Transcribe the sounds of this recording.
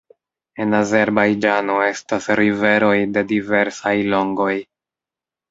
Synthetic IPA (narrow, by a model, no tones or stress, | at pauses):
e̞naze̞ɾbajd͡ʒano̞e̞stasɾive̞ɾo̞jde̞dive̞ɾsajlo̞ŋɡo̞j